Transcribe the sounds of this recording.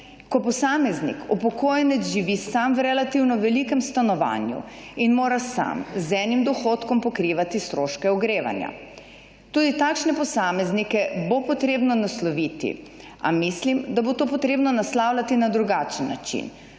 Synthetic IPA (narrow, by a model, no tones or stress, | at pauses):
kɔpɔsaːmɛznḭkʰupɔkoːjɛnɛzʒiʋisamwɾɛlat̪iwnɔʋɛlikɛmst̪anɔʋa̰ːnjṵinmoːɾasa̰mzɛnimd̪ɔxot̪kɔmpɔkɾiːʋat̪ist̪ɾoʃkɛɔɡɾeːʋa̰nja̰ | t̪uːd̪it̪aːkʃnɛpɔsaːmɛznikɛbopɔt̪ɾeːbnɔnaslɔʋiːt̪ḭ | a̰mislimd̪abot̪oːpɔt̪ɾeːbnɔnaslaːwlʲat̪inad̪ɾuɡaːt͡ʃnːa̰t͡ʃḭn